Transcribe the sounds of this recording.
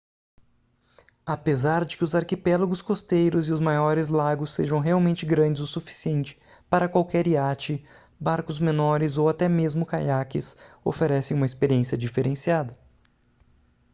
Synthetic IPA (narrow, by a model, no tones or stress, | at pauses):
apezaɾd͡ʒɪkɪʊzaɾkipɛlaɡʊskost̪ejɾʊzɪʊzmajɔɾɪzlaɡʊsːeʒɐ̃w̃ɦeawmẽnt͡ʃɪɡɾɐ̃d͡ʒɪzowsufi̥siẽnt͡ʃɪ̥ | paɾɐkwawkɛɾiat͡ʃɪ | baɾkʊzmenɔɾɪzowat̪ɛmezmʊkajakɪ̰so̰feɾɛsẽj̃ũmɐɪspeɾiẽsiɐd͡ʒifeɾẽsiad̪ɐ